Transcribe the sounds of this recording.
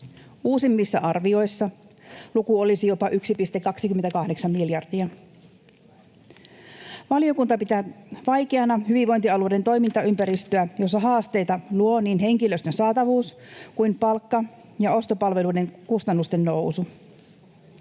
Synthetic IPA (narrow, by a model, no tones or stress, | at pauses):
ʔuːsimːisːɑʔɑrʋio̞jsːɑlukuolisijo̞pɑʔyksipist̪ekːɑksikymːet̪ækɑhde̞ksɑmːmiljɑrd̥iɑ | ʋɑlio̞kunt̪ɑpit̪æʋɑjkeɑnɑhyʋiʋo̞jnt̪iɑlude̞nt̪o̞jmint̪ɑympæɾist̪øæjo̞s̬ːɑɦɑːst̪e̞jt̪ɑluo̞niːnɦe̞ŋkiløst̪ønsɑːt̪ɑʋuːs | kujmpɑlkːɑ | jɑo̞st̪o̞pɑlʋe̞luide̞ŋkust̪ɑnːust̪e̞nːo̞wsu